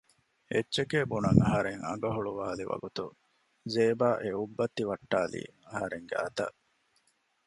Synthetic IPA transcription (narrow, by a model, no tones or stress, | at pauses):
etːt͡ʃekeːbunɐŋɐɦɐɾeŋɐ̰ɡɐɦuɭuʋaːliʋɐ̰ɡut̪u | zeːbaːʔeubːɐt̪ːiʋɐʈːaːlḭːɐɦɐɾeŋɡeɐ̰t̪ɐ̰ʔ